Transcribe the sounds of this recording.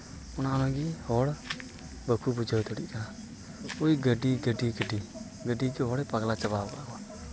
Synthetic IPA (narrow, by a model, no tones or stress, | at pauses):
ʊnanɔ̃ɡihɔɽ | bəkʰubud͡ʒʱəwt̪ʰɔɽḭkaa | oiɡəɖiɡəɖiɡəɖi | ɡəɖiɡiɦɔɽɛpaɡlat͡ʃəbabkaɡɔ